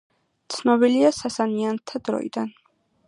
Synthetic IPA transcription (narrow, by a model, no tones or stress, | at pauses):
t̪sʰnɔbiliasasaniant̪ʰad̪ɾɔ̰ḭd̪an